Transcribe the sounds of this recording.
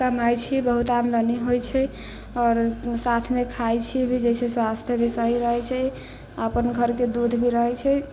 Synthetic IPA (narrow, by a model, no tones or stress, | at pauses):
kəmajt͡ʃʰibəɦut̪amləniɦojt͡ʃʰɛ | ɔːɾsat̪ʰmekʰajt͡ʃʰibʱid͡ʒɛjseswast̪ʰjəbʱisəɦiɾəɦɛt͡ʃʰɛ | əpənɡʱəɾked̪ud̪ʱbʱiɾəɦɛt͡ʃʰɛ